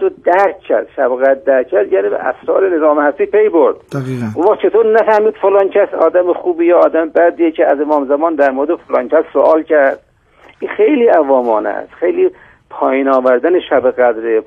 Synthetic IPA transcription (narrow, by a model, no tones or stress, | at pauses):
od̪æɾkcʰːæ̰ɾd̪̥ʃæbɣæd̪̚ːæɾʰæɾd̪jæːniːbḛʔæ̰sɾɒ̰ːɾenezɒːmhæst̪iːpʰejboɾd̪unvæχt͡ʃʰe̞t̪ʰoːɾnæfæhmiːd̪̥folɑːŋkʰæsɒ̰ːd̪æmexuːbiːjɒːd̪æmebæd̪iːecʰeæzemɒːmzæmɒːnd̪æɾmoɾed̪efolɑːŋkʰæssoʔɒːlcʰæɾd̪̥ | ʔiːxejliːævɒːmɒːnæ̰sxejliː | pʰɒːjiːnɒːvæɾd̪æneʃæbeɣæd̪ɾe